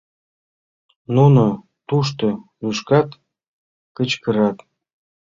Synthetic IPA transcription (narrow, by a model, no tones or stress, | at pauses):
nunŏ | t̪uʃ̬t̪ɤ̆nuʃkɑt̪ | kə̆t͡ɕkɤ̆ɾɑt̪